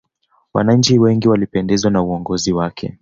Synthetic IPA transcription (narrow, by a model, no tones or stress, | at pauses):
wa̰naɲ̩t͡ʃiwɛŋɡiwalipɛndɛzwanauɔŋɡɔziwakʰɛ̰